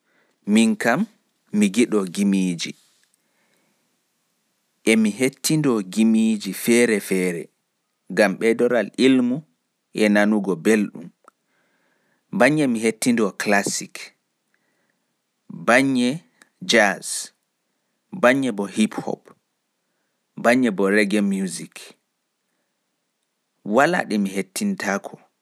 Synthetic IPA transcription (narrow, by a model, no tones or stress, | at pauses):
miŋkamː | iɡiɗɔɡimiːd͡ʒi | ʔɛmiɦetʰːindɔɡimid͡ʒifɛːɾɛfɛːɾɛ̰ | ɡamɓɛdɔɾalilmu | ʔɛnanuɡɔbelɗṵm | baɲːɛmiɦetːindɔklasik | baɲːɛ | d͡ʒas | baɲːɛbɔhiphɔ̰p | baɲːɛbɔɾɛɡɛmjuzik | wala̰ɗɛmiɦetːintakʰɔ̥